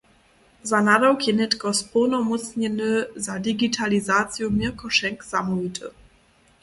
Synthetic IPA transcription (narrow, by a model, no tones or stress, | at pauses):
zanadɔwkjɛnɛtkɔspʰɔwnɔmɔt̪t͡sɲɛnɘzadiɡitʰalizat̪t͡sjɔmikɔʃɛŋkz̥amɔvit̪ʰə̰